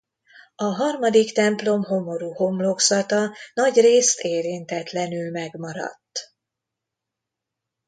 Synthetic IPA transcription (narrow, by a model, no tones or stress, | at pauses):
ɒɦɒrmɒd̪ikt̪ɛmplo̞mɦo̞mo̞ɾuːho̞mlo̞ksɒt̪ɒnɒɟreːst̪eːɾint̪ɛt̪lɛn̪ylmɛɡmɒɾɒ̰t̪ː